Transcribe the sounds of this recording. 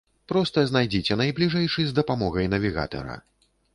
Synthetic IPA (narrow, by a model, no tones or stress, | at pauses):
pɾɔst̪ɐznajd͡zʲit͡sʲɛnɐjblʲiʐɛjʂɨzd̪ɐpamɔɣɐjn̪ɐvʲiɣa̰t̪ɐ̰ɾɐ̰